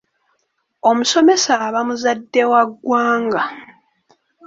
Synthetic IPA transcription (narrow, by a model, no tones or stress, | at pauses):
o̞muso̞me̞saβamuzadːe̞waɡːwaːŋɡa